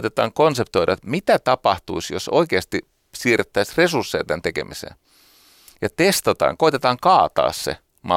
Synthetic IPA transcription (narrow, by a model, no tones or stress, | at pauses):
t̪et̪ɑ̰ːŋkonsept̪oiɾʔɑt̪mit̪æt̪ɑpɑht̪uisjosoikeːst̪i | siːrt̪ːæisresursːeit̪ent̪ekḛmʔisḛːn | jɑt̪est̪ɑt̪ɑ̰ːŋkoit̪et̪ɑːŋkɑːt̪ɑ̰ːssḛ | mɑ̰